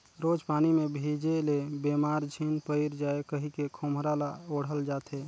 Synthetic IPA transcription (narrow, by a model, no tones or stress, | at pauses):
ɾod͡ʒpanimebʱid͡ʒelebemaɾd͡ʒʱinpəɪɾd͡ʒaekəɦikekʰomɾalaoɽ̤əld͡ʒat̪ʰe